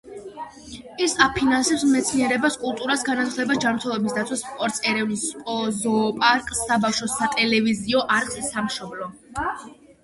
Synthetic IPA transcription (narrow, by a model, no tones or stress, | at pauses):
isapʰinansɛpsmɛt̪sʰniɛɾɛbaskʼulˠt̪ʼuɾasɡanat̪ʰχd̪ɛbasd͡ʒanmɾt̪ʰɛlˠɔbisd̪at̪sʰwaspʼɔɾt̪sʼɛɾɛvnispʼɔzɔpʼaɾkʼsːabafʃɔsat̪ʼɛlɛviziɔʔaɾqʼisamʃɔblɔ